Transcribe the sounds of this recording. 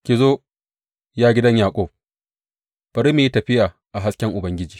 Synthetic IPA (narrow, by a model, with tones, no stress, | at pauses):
kʲiː˨zoː˦ | jaː˦ɡʲɪ˦dɐ˦ɲjaː˨kʷʼoː˦p̚ | b̥ɐ˨ɾi˦meː˨jtɐ˨ɸɪ˦jaː˨ | ʔa˨ɦa˦skʲɛ˦ŋʔʊ˨bɐ˦ŋɡʲɪ˦d͡ʒiː˨